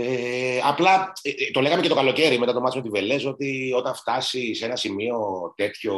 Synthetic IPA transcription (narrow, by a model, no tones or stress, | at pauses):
eɐplɐt̪o̞leɣɐme̞cet̪okɐlo̞ce̞ɾimet̪ɐt̪o̞mɐt̪simot̪iveleso̞t̪io̞t̪ɐɱft̪ɐsisenɐsimio̞t̪e̞t̪ço̞